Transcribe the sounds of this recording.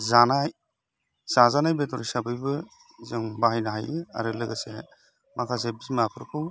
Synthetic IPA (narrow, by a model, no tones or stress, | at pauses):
zanaj | zazanajbetʰɔɾisabɯjbɯ | zɯŋbaɦajnaɦajɯa̰ɾɯlɯɡase | makʰas̬ebismapʰɯɾpʰɯw